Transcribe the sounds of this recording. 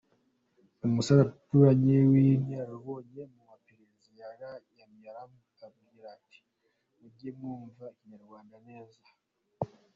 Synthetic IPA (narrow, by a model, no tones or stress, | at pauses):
umusaɾatuɾaɲiwinjaɾaβo̞ːɲe̞mumapeɾezijaɾajamjaɾamu | aβɡiɾiɾati̥ | ubɟemŋuːɱvaiɲaɾɡwaːndane̞ːza